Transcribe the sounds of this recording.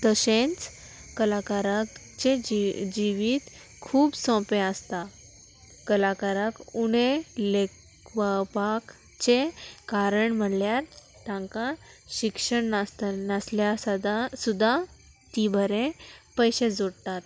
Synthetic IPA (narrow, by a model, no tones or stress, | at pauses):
t̪əsẽnt͡s | kəlakaɾak | t͡ɕed͡ʑiʋiːt̪ | kʰuːbsɔ̃peəst̪a | kəlakaɾakuɽelek | ʋəpak | t͡ɕekaɾəɳm̤əɳljaɾ | t̪ãŋkãɕikʂəɳnast̪nasljasad̪asud̪ʱːa | t̪ibʱəɾẽpəjɕed͡zoɽt̪at̪